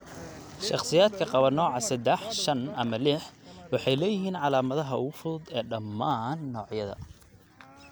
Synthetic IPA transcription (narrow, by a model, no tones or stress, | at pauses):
ʃɑχsɪjaːd̪kʰɐqɑβɐnɔːʕɑsɐd̪ɛħʃɐnɐmɐlɪħwɑħɑjlɛːjɪɦiːnʕɑlaːmɐðɐɦɐʊʊfʊðʊd̪ɛːɖɐmːaːnːɔːʕjɐðɐ̰